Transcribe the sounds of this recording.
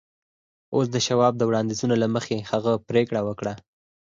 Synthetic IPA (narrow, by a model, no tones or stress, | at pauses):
os̬d̪əʃawɑb̚d̪əwɽɑnd̪izunalaməxehaɣəpɾekɽawəkɽa